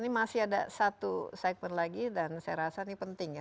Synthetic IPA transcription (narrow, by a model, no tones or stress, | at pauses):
nimasɪɦada̰sat̪usak̚mənlaɡidansaja̰ɾasanipənt̪ɪŋja